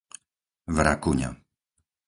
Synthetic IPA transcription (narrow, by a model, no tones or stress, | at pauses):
vɾa̰kuɲa̰